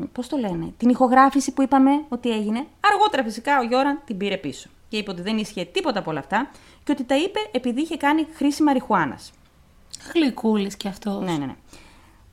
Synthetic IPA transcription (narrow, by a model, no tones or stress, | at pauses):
po̞st̪o̞le̞ne̞̰t̪inixo̞ɣɾɐfisipuipɐme̞o̞t̪ie̞ʝine̞ɐɾɣo̞t̪e̞ɾɐfisikɐo̞ʝo̞ɾɐnt̪imbiɾe̞piso̞̥ce̞ipeot̪iðe̞nisçe̞t̪ipo̞t̪ɐpoo̞lɐft̪ɐ | ceo̞t̪it̪ɐipe̞ʔːpiðiiçe̞kɐnixɾisimɐɾixuɐnɐ̰s | ɣlikulisceɐft̪onenḛnḛ